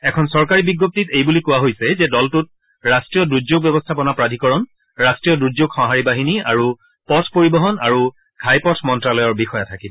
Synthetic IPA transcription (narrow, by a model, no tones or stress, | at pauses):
ɛkʰɔnsɔɹkaɹibiɡːop̚titejbulikʊwaɦojsɛzɛdɔltut̚ | ɹastɹijɔduzoɡ̚bjɛbɔstʰapɔnapɹadʱikɔɹɔn | ɹastɹijɔduzoɡxɔ̃ɦaɹibaɦinia̰ɹu | pɔtʰpoɹibɔɦɔnaɹu | kʰajpɔtʰmɔntɹalɔjɔɹbixɔjatʰakibɔ